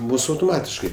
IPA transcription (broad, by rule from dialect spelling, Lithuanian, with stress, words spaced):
ˈmʊs ɐʊtoːˈmɑːtʲɪʃkɐɪ